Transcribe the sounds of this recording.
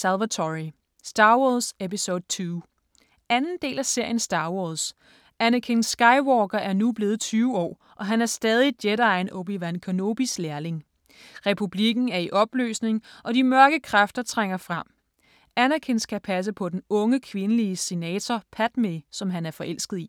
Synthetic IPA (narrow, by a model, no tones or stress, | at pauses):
sælʋæt͡sʰɒʁi | sd̥ɑ̈ːwɒsepisod̥̚t͡sʰyː | ænn̩d̥e̝̰ːlæse̝ɐ̰jənsd̥ɑ̈ːwɒs | ʔænɐkʰensːɡ̥ɑ̈ɪwɒːɡ̥ɐʔæɐnub̥le̝ːð̞̩ˠt͡sʰyːʊɒ̰ː | ʔɒ̽ɦænæɐsd̥ɛːð̞ˠid̥jeɾɑ̈ɪnɔb̥iʋænkʰono̝ːb̥islæɐle̝ŋ | ʁɛpʰub̥liɡ̥n̩æɐiʔɒ̽b̥lø̰ːsne̝ŋʔɒ̽d̥imɶɐɡ̥əkʰʁafd̥ɐt͡sʰʁaŋ̰ɐfʁɑm̰ | ænɐkʰe̝nsɡ̥æpʰæs̬əpʰɒ̽d̥enɔ̽ŋəkʰʋe̝nəliəse̝nɛːt͡sʰɒpʰæd̥mesɒ̽mɦænæɐfɒ̽ʔel̰sɡ̥ð̩ˠi